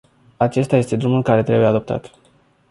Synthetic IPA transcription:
at͡ʃe̞st̪aje̞st̪ed̪ɾumulkaɾe̞t̪ɾe̞bujead̪o̞p̚t̪ʰa̰t̪

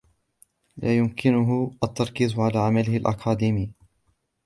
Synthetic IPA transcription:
laːjʊmkʰɪnʊɦʊʔat̪ːɑɾˤkiːzʕalaːʕamalɪhalʔa̰kʰɑːd̪iːmiː

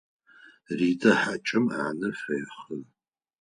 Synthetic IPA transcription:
riːdɐħat͡ʃʼɨma̰ːnɨfejχə

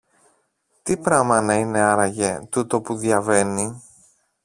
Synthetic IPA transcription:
t̪ipɾɐmɐnɐine̞ɐɾɐʝe̞t̪ut̪o̞puðjɐve̞ni

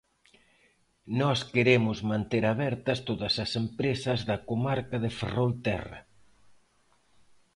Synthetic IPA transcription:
nɔskeɾemʊzmãnt̪eɾaβɛɾt̪ɐst̪oðɐsɐsempɾesɐzðɐkomaɾkɐðɪfḛrolt̪ɛ̰rɐ̰

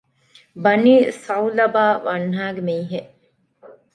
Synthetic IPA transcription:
bɐniːsɐwlɐbaːʋɐnɦaːɡemiːɦeʔ

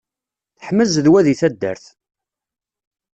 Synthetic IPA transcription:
θəħməzðwæðiθæd̪ːə̰ɾθ

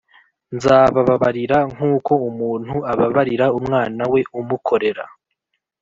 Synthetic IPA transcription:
nzaːβaβaβaɾiɾaŋ̥uːko̞umuːn̥huaβaβaɾiɾaumŋaːnawe̞ʔumukʰo̞ɾe̞ɾa̰

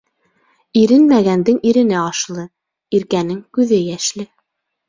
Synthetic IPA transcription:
iɾɘnmæɡænd̪ɘŋʔiɾɘ̆næɑʃlˠɤ | iɾkænɘŋkʉðɘjæʃlɘ

